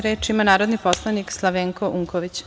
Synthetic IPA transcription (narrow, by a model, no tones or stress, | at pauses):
ɾeːt͡ʃimanaːɾod̪nipo̞slˠanikslˠaʋeːŋkoʔuŋkoʋit͡ɕ